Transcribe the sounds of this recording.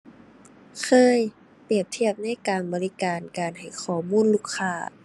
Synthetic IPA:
kʰɤː˧˥j | pi˧˨˩əp̚t̪ʰi˥˩əp̚na˧˥˨jkaː˨˧nbɔː˨˧li˧˥kaː˨nkaː˨˩nha˨˩jxʰɔː˨˩muː˧˥˨nluː˧˥˩kʰːaː˧˩

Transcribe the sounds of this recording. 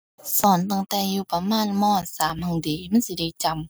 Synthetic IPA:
sɔː˨˦nt̪a˧˩˨ŋt̪ɛː˧˩juː˧pa˧maː˧˥˨nmɔː˧˥˨nsaː˨˦mhɔ˧˩˨ŋdiː˨˦ma˧˥˨nsi˧da˧˩˨jt͡ɕa˧m

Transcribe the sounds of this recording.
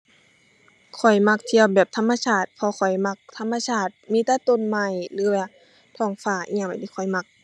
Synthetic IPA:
kʰɔ˨˩jma˧k̚t̪ʰi˧˨əwbɛː˨˩p̚t̪ʰa˧˨mːa˧sʰaː˧˩t̪̚pʰɔ˧kʰɔ˨˩jma˧k̚t̪ʰa˧˥˨mːa˧sʰaː˧˩t̪̚miː˧˥˨t̪ɛː˧˥t̪o˧˥˨nma˧˩jlɯː˧˦waː˧ | t̪ʰɔː˧˩ŋfaː˧˩ʔi˧˨ma˨t̪ʰiː˧˩kʰɔ˨˩jma˧˩k̚

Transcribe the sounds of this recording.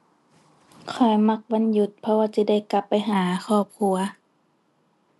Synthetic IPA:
kʰɔ˧˩jma˧˥k̚wa˧˥˨nju˧˦t̪̚pʰɔ˧waː˧si˧˦da˥˩jka˧˦pːa˨jɦaː˨˩˦xʰɔː˧˩p̚kʰu˧ɐ

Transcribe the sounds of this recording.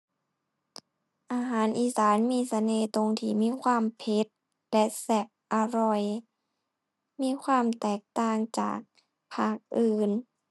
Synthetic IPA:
ʔaː˧ɦaː˩˦nʔiː˧˩saː˩˦nmiː˧˥˨sa˧neː˧˩t̪o˧ŋt̪ʰiː˧˩miː˧˥˨kʰwaː˧˥˨mpʰe˧˦˥t̪̚ | lɛ˧˥sɛ˧p̚ʔa˧ɾɔ˧˩j | miː˧˥˨kʰwaː˧˥˨mt̪ɛː˨˩k̚t̪aː˧˩ŋt͡ɕa̰ː˨˩k̚ | pʰaː˧˥˩k̚ʔɯː˧˩n

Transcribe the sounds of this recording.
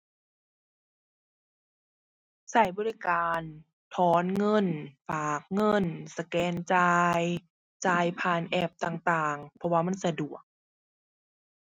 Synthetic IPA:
sa˧˩jbɔː˧li˧˩˨kaː˨˧n | t̪ʰɔː˧˦nŋɤ˧˥˨nfaː˨˩k̚ŋɤ˧˥˩nsa˧kɛː˧nt͡ɕaː˧j | t͡ɕaː˧jpʰaː˧˩nʔɛː˧˩p̚t̪aː˨˩ŋt̪aː˨˩ŋpʰɔ˧waː˧ma˧˥˨nsa˧du˨˩ək̚

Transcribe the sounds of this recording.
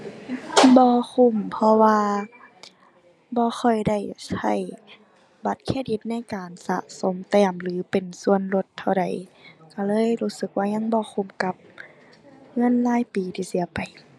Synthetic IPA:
bɔː˧kʰu˧˩˨mpʰɔ˧waː˧ | bɔː˧˦xɔ˧˩jda˧˩jsa˧˩j | ba˧˦t̪̚kʰeː˧˥˩t̪̚di˧t̪̚na˧˥˨jkaː˨˩nsa̰˧˦ʔso˨˦mt̪ɛː˧˩mlɯː˨˦pe˨˩nsu˧˨ənlo˧˦t̪ʰːa˧˩wda˨˩jka˧˩lɤː˧˥˨jɾuː˧˥sɯ˧˦k̚waː˧˥˩ɲa˧˥˨ŋbɔː˧˦xʰu˧˩˨mka˧˦p̚ | ŋɤ˧˥˨nlaː˧˥˨jpiː˨˩t̪ʰiː˨˩si˧˦ɐpa˨˩j

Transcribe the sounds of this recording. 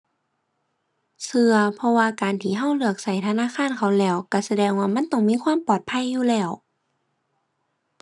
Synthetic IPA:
sɯ˧ɐpʰɔ˧waː˧kaː˨nt̪ʰiː˧˩ɦa˧˥˩wlɯ˧˩ək̚sa˧˩jt̪ʰa˧naː˧˥˨kʰaː˧˥˨nkʰa˧˩wlɛː˧˩wka˧˩sa˧dɛː˧ŋwaː˧ma˧˥˨nt̪ɔ˧˥˩ŋmiː˧˥˨kʰwaː˧˥˨mpɔː˨˩t̪̚pʰa˧˥˨jːuː˧˨lɛː˧˩w

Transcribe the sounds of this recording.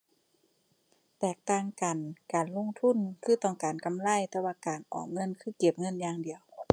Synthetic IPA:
t̪ɛː˧˩k̚t̪aː˧˨ŋka˨˩nkaː˨˩nlo˧˥˨ŋt̪ʰu˧˥˨nkʰɯː˧˥˩t̪ɔː˧˩ŋkaː˨˩nka˨mla˧˥˨jt̪ɛː˧waː˧kaː˨˩nʔɔ̰ː˨˩ŋɤ˧˥˨nkʰɯː˧˩ke˧˩p̚ŋɤ˧˥˨njaː˧ŋdi˨əw

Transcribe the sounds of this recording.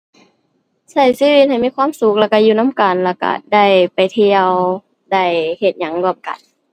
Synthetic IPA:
sa˧˩jsiː˧˥˨wi˧t̪̚ha˨˩jmiː˧˥˩kwaː˧˥˨msu˧˦k̚lɛː˧˩ka˧˩juː˧˩na˧˥˨mka˨˩nlɛː˧˩ka̰˧˩da˧˥˩jpa˨jt̪ʰi˧əw | da˧˥˩jhe˧˩t̪̚ɲa˧˦ŋlɯ˧˩əm̚ka̰˨˩n

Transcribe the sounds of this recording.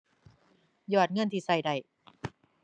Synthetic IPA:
jɔː˨˩t̪̚ŋɤ˧˥˨nt̪ʰiː˧˩sa˧˩jda˨˧˩j

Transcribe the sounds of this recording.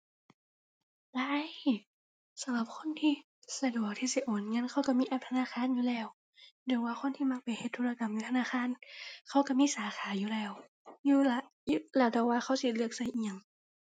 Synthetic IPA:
la˧˥˨j | sa˨˦mla˧˩p̚kʰo˧˥˨nt̪ʰiː˧˩ | sa˧du˨˩ək̚t̪ʰiː˧˩si˧˦ʔoː˨˦nŋɤ˧˥˨nkʰa˧˩wka˧˩miː˧˥ʔa˧˩t̪ʰa˧naː˧˥˨xʰaː˧˥˨njuː˧˨lɛː˧˩w | dɯ˧˩˦jwaː˧˩xʰo˧˥˨nt̪ʰiː˧˩ma˧k̚pa˨˩jhe˧t̪ʰːuː˧˥˩la˧ka˨˦mjuː˧˦t̪ʰa˧naː˧˥˨xʰaː˧˥˨nkʰa˧˩wka˧˩miː˧˥˨saː˨˦xʰaː˨˦juː˧˦lɛː˧˩w | juː˧˩la˧˩ | juː˧lɛː˧˩t̪ɛː˧˩waː˧˩xʰa˧˩˨wsi˧˩lɯ˧˩ək̚sa˧˩jʔi˧˩˧ŋ

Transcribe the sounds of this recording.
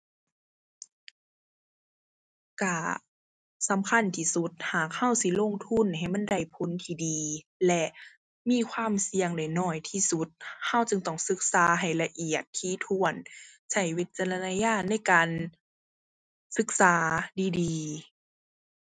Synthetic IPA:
ka˧˩ | sa˨˧˦mkʰa˧˥˨nt̪ʰiː˧˩su˧˦t̪̚haː˨˩k̚ha˧˥˨wsi˧˨lo˧˥˨ŋt̪ʰu˧˥˨nha˨˩jma˧˥˨nda˧˩jpʰo˧˦nt̪ʰiː˧˩diː˨ | lɛ˧ʔ | miː˧˥˨kʰwaː˧˥˨msi˧əŋda˨˩jnɔː˧˩jt̪ʰiː˧˩su˧˦t̪̚ha˧˩˨wt͡ɕɯ˧ŋt̪ɔ˧˩ŋsɯ˧˦k̚saː˨˦ɦa˨˩jla˧ʔi˧˨˩ət̪ʰːiː˧˥˨t̪ʰu˧˩ən | sa˧˩jwe˧t̪̚t͡ɕa˧la˧naː˧jaː˧˥˨na˧˥˩jkaː˨n | sɯ˧˦k̚saː˨˦diː˨˧diː˨˧

